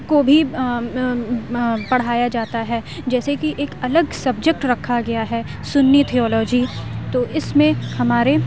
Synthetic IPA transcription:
kobʱi | pɐɽ̤aːjad͡ʒaːt̪aɦɛ | d͡ʒɛːsekiʔeːkɐləɡsɐb̚d͡ʒək̚ʈɾɐkʰaɡɐjaɦɛsʊnːit̪ʰiɔːlɔːd͡ʒit̪oːʔɪsmẽhɐmaːɾe

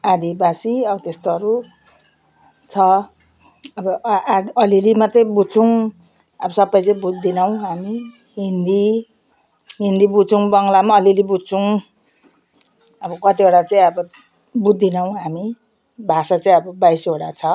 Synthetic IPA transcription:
ad̪ʱibasiʌbʌt̪est̪oʌɾu | t͡sʰʌ | ʌbʌʌlilimat̪ejbut͡sʰuŋ | ʌbʌsʌbːajt͡sʌĩbud̪ːinʌw̃ɦami | ɦind̪i | ɦind̪ibut͡suŋbʌŋɡlamaʌlilibut͡sʰuŋ | ʌbʌkʌt̪ibaɽat͡saĩʌbʌ | bud̪ːinʌw̃ɦami | bʱasat͡saĩʌbʌbajsoɽat͡sʰʌ

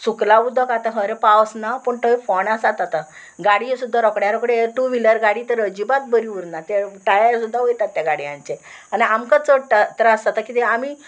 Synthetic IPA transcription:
suklaud̪ʱɔkat̪aɦə̃ɾepawsnapəɳʈəifɔnasat̪at̪a | ɡaɽisud̪ʱːaɾɔkɳjaɾɔkəɽeʈuʋiləɾɡaɽiːt̪əɾəd͡ʑibat̪̚bəɾiuɾnat̪eʈajasud̪ʱːaɦojt̪at̪ːjaɡaɽjã̰ɲt͡ɕeaniamkat͡səʈət̪əɾasat̪akit̪eami

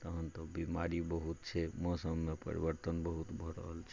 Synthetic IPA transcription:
t̪əɦənt̪ɔbimaɾibəɦut̪̚t͡ʃʰɛmɔ̃səbmːepə̰ɾḭbəɾt̪ənbəɦut̪bʱɔɾə̰ɦəlt͡ʃʰ

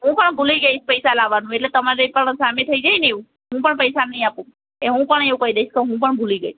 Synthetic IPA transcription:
ɦũpəɳbʱuliɡəit͡ʃʰpəjsalaʋanũeʈlet̪əmaɾepəɳsamet̪ʰəid͡ʒainiũ | ɦũpəɳpəjsanəɦĩapũ | eɦũpəɳeũkəɦid̪eit͡ʃkeɦũp̬əɳbʱuliɡəit͡ʃʰ

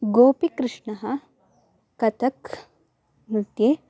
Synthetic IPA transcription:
ɡoːpikɾɨʂɳɐɦɐː | ɐt̪ʰɐk | mɾut̪jeː

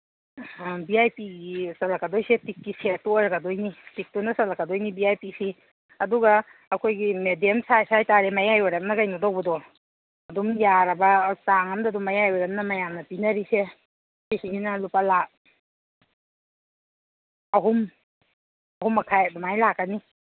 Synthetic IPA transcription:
biajpiɡisalakadɔjsetikːisetɔɾaɡadojnitik̚tunasalakadojnibiajpisi | ɐduɡaː | kʰojɡimedemsajsajtaɾemajajɔɾamnɐɡajnadɔwbɐdɔ | ɐdumjaɾɐbɐsaŋɐmdaduŋmajajɔɾamnɐmajamnɐpinɐɾise | sisiɡinɐlupalak̚ | ɐɦum | ɐɦumːɐkʰajdɔmajlak̚ːɐni

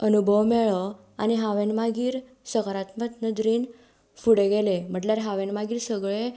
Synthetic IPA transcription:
ənubʱəʋmɛɭə | aniɦaʋenmaɡiːɾ | səkəɾat̪mət̪nəd̪ɾiːn | fuɽeɡelem̤əɳʈljaɾɦaʋenmaɡiːɾsəɡɭe

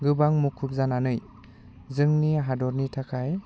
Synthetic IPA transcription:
ɡɯbaŋmukʰup̚zananɯj | zɯŋniaɦadɔɾnitʰakʰaj

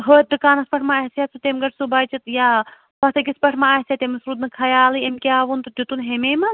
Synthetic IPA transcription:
ɦoːt̪̚d̪ɨkaːnɐspɐʈʰmaːɦsjasʰut̪emɡɐʈʰsubaːt͡ʃit̪jaː | pɐht̪ʰɐkʲispɐʈʰmaaːhsʲjaːt̪emɨsɾuːd̪nɨkʰɐjaːlɨemkʲaːʋunt̪ɨd͡ʒut̪unɦemeːmɐ

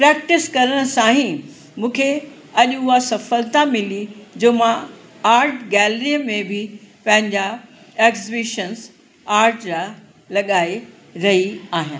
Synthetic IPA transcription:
pɾɛːk̚ʈɪskɐɾəɽ̃əsãːɦĩ | mũːkʰe | ɐʄʊɦasɐfəlt̪amɪlid͡ʑoːmã | aːɾʈɡɛːlɾijəmẽbʱɪpɐ̃ɦɪ̃ɲd͡ʑa | eːkzɪbɪʃəns | aːɾʈɾa | lɐɠaːe | ɾɐɦiaːɦijãː

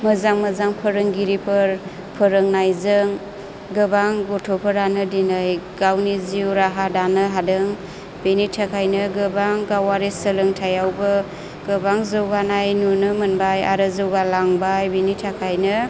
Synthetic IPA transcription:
məzaŋməzaŋpʰəɾɯŋɡiɾipʰɯɾ | pʰəɾɯŋnajzɯŋ | ɡɯbaŋɡotʰopʰəɾanɯdinajɡawniziwɾaɦadanɯɦadɯŋ | benitʰakʰajnɯɡɯbaŋɡawaɾisəlɯŋtʰajawbɯ | ɡ̥ɯbaŋzɯwɡanajnunɯmɯnbaja̰ɾɯzɯwɡalaŋbajbenitʰakʰajnɯ

